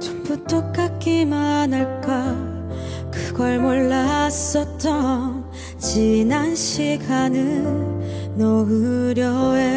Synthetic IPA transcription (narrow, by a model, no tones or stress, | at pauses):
t͡ɕoput͈okk͈ak͈imanɯɭk͈a | kɯɡʌɭmoɭːas͈ʌt͈ʌn | t͡ɕinanɕʰiɡanɯnnʌɦɯɾjʌe